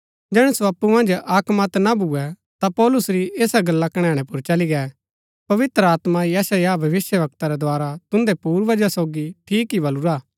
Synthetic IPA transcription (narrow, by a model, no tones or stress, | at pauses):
d͡ʒɛːɽ̃ɛsoɐpːumɐ̃nd͡ʒaːkmat̪nabuɛ | t̪apɔːlʊsɾiʔeːsaɡɐlːakɐɽ̃ɛ̃ːɽ̃ɛ̃pʊɾt͡ʃɐliɡɛː | pɐʋɪt̪ɾəaːt̪majɛːsajabʱɐʋɪsjəʋɐkt̪aɾɛd̪ʊaːɾat̪ʊ̃nd̪ɛpuːɾʋɐd͡ʒasoːɡiʈʰiːkɦibɐluɾaː